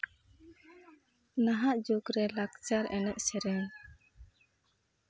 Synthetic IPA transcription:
naɦaʔd͡ʒoɡɾɛlakt͡ʃaɾɛnɛʔ̚sɛɾɛn

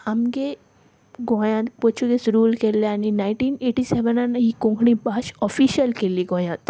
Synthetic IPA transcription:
hɐmɡe | ɡõːjãt̪pot͡ʃʰuɡesɾuːlkeleaninaɪʈiːneːʈiseʋənanɦikõŋkʰɽĩbaʃɔfiːʃəlkelieɡõjãt̪

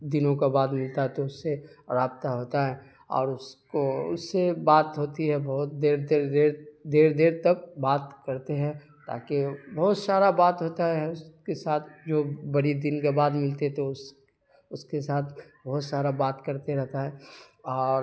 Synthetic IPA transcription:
d̪ɪnõkabaːd̪mɪlt̪aɦɛt̪oʊsːeɾaːb̚t̪aɦoːt̪aɦɛː | ɔ̰ːɾʊskoʊ̰sːebaːt̪ɦoːt̪iɦɛbɔɦʊt̪d̪eːɾd̪eːɾd̪eːɾd̪eːɾd̪eːɾt̪ɐk̚baːt̪kɐɾt̪eɦɛ̃ | t̪a̰ːkebɔɦʊt̪saːɾabaːt̪ɦoːt̪aɦɛʊskesaːt̪ʰd͡ʒoːbɐɽid̪ɪnkabaːd̪mɪlt̪eɦɛt̪oʊs | ʊskesaːt̪ʰbɐɦʊt̪saːɾabaːt̪kɐɾt̪eɾɛɦt̪aɦɛːɔːɾ

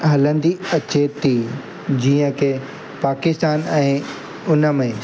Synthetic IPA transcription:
ɦɐlə̃nd̪iɐt͡ɕet̪ʰi | d͡ʑiːə̃kʰe | paːkɪst̪aːnɛ̃ː | ʊnə̆mẽ

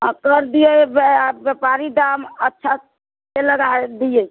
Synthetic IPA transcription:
akəɾd̪ijəbbepaɾid̪amətːʃʰa | seləɡad̪ijəj

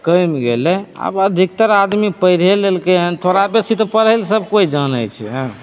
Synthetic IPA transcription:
kəjmɡelea̰bəd̪ʱik̚t̪əɾad̪mipəjɾ̤elelkeɦə̃nt̪ʰoɾapesit̪əpəɾəɪlsəb̚ʱkoid͡ʒənə̰jt͡ʃʰɛ̰ɦə̃

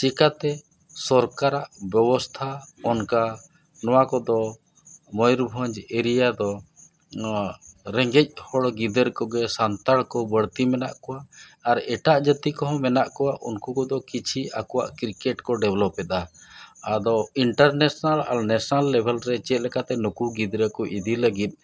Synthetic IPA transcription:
t͡ʃikat̪ɛ | sɔɾkaɾaʔbjɛbɔst̪ʰaɔnka | nɔwakɔd̪ɔ | mɔjɾbʱəɲd͡ʒeɾijad̪ɔ | ɾɛŋɡɛc̚ˀhɔɽɡid̪əɾkɔɡɛsant̪aɽkɔbəɽt̪imɛnaʔkɔwaːɾɛʈaʔd͡ʒət̪ikɔɦɔ̃mɛnaʔkɔwaʔunkukɔd̪ɔkit͡ʃʰiʔakɔwa̰ʔkɾikɛʈkɔɖɛblɔpːɛt̪aad̪ɔiɳʈaɾnɛsnala̰lnɛsɔnalːɛbʱɛlɾɛt͡ʃɛt̪̚lɛkat̪ɛnukuɡid̪ɾəkɔʔid̪iləɡit̪̚ˀ

